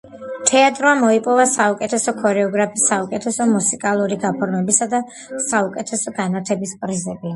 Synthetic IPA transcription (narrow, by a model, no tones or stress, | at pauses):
t̪ʰɛat̪ʼɾɔamɔipʼɔvasaukʼɛt̪ʰɛsɔkʰɔɾɛɔɡɾapʰisaukʼɛt̪ʰɛsɔmusikʼalˠuɾiɡapʰɔɾnɛbisad̪a | saukʼɛt̪ʰɛsɔɡanat̪ʰɛbispʼɾizɛbi